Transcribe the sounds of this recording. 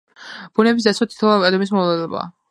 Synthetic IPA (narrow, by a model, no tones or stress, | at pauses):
b̥unɛbis̬d̪at̪sʰat̪ʰi̥t̪ʰlˠaɛd̪ɔmis̬mɔvlˠad̪ɔba̰